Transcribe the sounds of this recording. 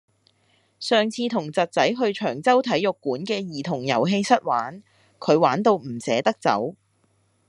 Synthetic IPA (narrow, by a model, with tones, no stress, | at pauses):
sœː˨ŋt͡sʰiː˧t̪ʰʊ˨˩ŋt͡sɐ˨t̚t͡sɐ˨˥jɦɵ˧ɥt͡ʃʰœː˨˩ŋt͡sɐ˥wt̪ʰɐ˨˥jʊ˨kːuː˨˥nkɛː˧jiː˨˩t̪ʰʊ˨˩ŋjɐ̰˨˩wɦe˧jsɐ˥t̚waː˨˥n | kʰɵ˨˧ɥwaː˨˥nt̪o˧wm̩˨˩sɛː˨˥t̪ɐ˥k̚t͡sɐ̰˨˥w